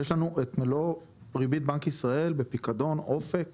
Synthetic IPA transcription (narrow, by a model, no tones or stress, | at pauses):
jeʃlanuʔet̪melo | ʁibit̪̚bankisʁae̞lbepikad̪o̞nʔo̞fe̞k